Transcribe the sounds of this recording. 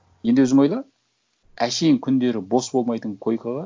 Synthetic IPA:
je̞nd̪wɵzɪmojlˠɑ | æʃejɪŋkʲʰʏnd̪e̞ɾɪbo̞sbo̞lˠmɑjt̪əɴkʰo̞jkʰɑlˠɑ

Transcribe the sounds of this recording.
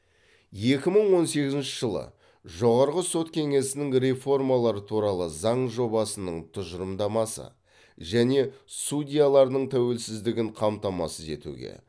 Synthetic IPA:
je̞kʲɪməɴwo̞nse̞ɡʲɪzɪnʃɪʒəlˠə̰ | ʒo̞ʁɑɾʁəso̞t̪kʲʰe̞ŋe̞sɪnɪŋɾʲe̞fo̞rmalˠɑɾət̪ʰuɾɑlˠəzɑɴʒo̞bɑsənəɴt̪ʰʊʒəɾəmd̪ɑmɑsə̰ | ʒæne̞sudʲijalˠɑɾnəɴt̪ʰæwe̞lsɪzd̪ɪɡʲɪɴqʰɑmt̪ɑmɑ̰səze̞̰t̪ṵɡʲe̞̰

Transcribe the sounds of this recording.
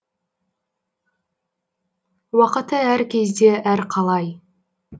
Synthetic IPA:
wɑqət̪əæɾkʲʰe̞zd̪e̞ʔæɾqʰɑlˠɑj

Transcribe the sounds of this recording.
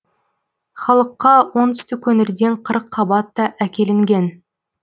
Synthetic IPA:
χɑlˠəqːɑwo̞nt̪ʏ̥st̪ɪkʲʰɵnɪɾd̪e̞ɴqʰəɾəqʰːɑbɑt̪ːɑʔækʲe̞lɪŋɡʲe̞n

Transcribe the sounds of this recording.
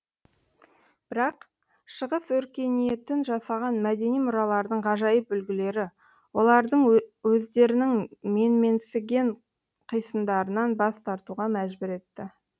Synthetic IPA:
b̥ɪɾɑq | ʃəʁəswɵɾkʲe̞nije̞t̪ɪnʒɑsɑʁɑnmæd̪e̞nijmʊɾɑlˠɑɾd̪əɴʁɑʒɑjəp̚bʏlɡʲɪle̞ɾɪ | wo̞lˠɑɾd̪əɴwɵzd̪e̞ɾɪnɪŋme̞nme̞nsɪɡʲe̞ɴ | qʰəjsəmd̪ɑɾənɑnbɑst̪ʰɑɾt̪uʁɑmæʒbɪɾe̞t̪ːɪ

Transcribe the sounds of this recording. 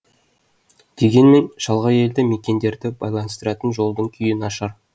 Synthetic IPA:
d̪̥e̞ɡʲe̞nme̞nʒ̥ɑlˠʁɑje̞ld̪ɪme̞kʲe̞nd̪e̞ɾd̪ɪbɑjlˠɑnəst̪əɾɑt̪ənʒo̞lˠd̪əɴkʲʰʏjɪnɑʃɑɾ

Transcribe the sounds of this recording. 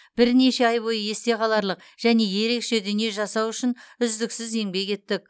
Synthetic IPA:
b̥ɪɾne̞ʃe̞ɑjbo̞jəe̞st̪e̞qɑlˠɑɾlˠəq | ʒ̥æne̞je̞ɾe̞kʃe̞d̪ʏnije̞ʒɑsɑwʏʃɪnʏzd̪ɪksɪze̞ŋbe̞ke̞t̪ːɪk̚

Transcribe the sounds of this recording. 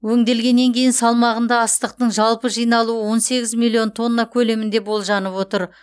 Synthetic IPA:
wɵŋd̪e̞lɡʲe̞nːe̞ŋkʲʰe̞jɪnsɑlˠmɑʁənd̪ɑːst̪əq̚t̪əɴʒɑlˠpəʒijnɑlˠuəwo̞nse̞ɡʲɪzmʲilʲˠːio̞nt̪ʰo̞nːakʲʰɵle̞mɪnd̪ebo̞lˠʒɑnəpwo̞t̪əɾ

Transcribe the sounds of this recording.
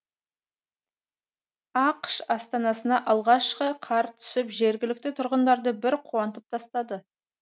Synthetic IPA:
ɑqʃɑst̪ɑnɑsənɑʔɑlˠʁɑʃqəqʰɑɾt̪ʰʏ̥sɪpʒe̞ɾɡʲɪlɪk̚t̪ɪt̪ʰʊɾʁənd̪ɑɾd̪əbɪɾqʰuwɑnt̪əp̚t̪ʰɑst̪ɑd̪ə

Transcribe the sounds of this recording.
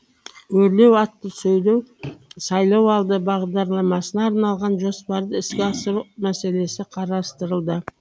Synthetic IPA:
wɵɾle̞wɑt̪ːəsɵjlewsɑjlˠɑwɑlˠd̪əbɑʁd̪ɑɾlˠɑmɑsənɑːɾnɑlˠʁɑnʒo̞spɑɾd̪əɪskʲɪɑsəɾumæse̞le̞sɪqʰɑɾɑst̪əɾəlˠd̪ə

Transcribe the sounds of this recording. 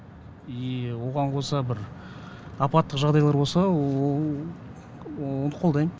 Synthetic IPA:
wo̞ʁɑɴqʰo̞sɑbɪɾ | ɑpɑt̪ːəqʒɑʁd̪ɑjlˠɑɾbo̞lˠsɑ | wonəqʰod̪ɑjmə

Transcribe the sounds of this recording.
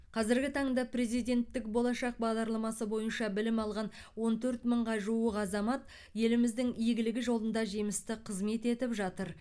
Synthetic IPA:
qʰɑzɪɾɡʲɪt̪ʰɑɴd̪ɑpɾe̞zijd̪ʲe̞nt̪ːɪk̚bo̞lˠɑʃɑq̚bɑʁd̪ɑɾlˠɑmɑsəbo̞jənʃɑbɪlɪmɑlˠʁɑn | wo̞nt̪ʰɵɾt̪məɴʁɑʒuəqɑzɑmɑt̪̚ | je̞lɪmɪzd̪ɪŋijɡʲɪlɪɡʲɪʒo̞lˠənd̪ɑʒejmɪst̪ɪqʰəzme̞t̪e̞t̪ɪpʒɑt̪əɾ

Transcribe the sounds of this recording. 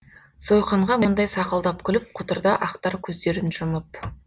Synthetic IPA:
so̞jqɑɴʁɑmond̪ɑjsɑqəlˠd̪ɑpkʲʰʏlɪp̚qʰʊt̪əɾd̪ɑʔɑqt̪ɑɾkʲʰɵzd̪e̞ɾɪnʒʊməp

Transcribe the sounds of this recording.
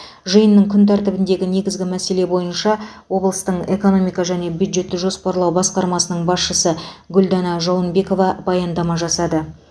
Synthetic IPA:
ʒəjənːəɴkʲʰʏnt̪̬ʰæɾt̪ɪbɪnd̪e̞ɡʲɪne̞ɡʲɪzɡʲɪmæse̞le̞bo̞jənʃɑwo̞blˠəst̪əɴe̞ko̞no̞mijkɑʒæne̞bjud̪ʒe̞t̪ːɪʒo̞spɑɾlˠɑwbɑsqɑɾmɑsənəɴbɑsʃəsəɡʲɵld̪ɑnɑʒowˠənbe̞ko̞vɑbɑjɑnd̪ɑmɑʒɑsɑd̪ə

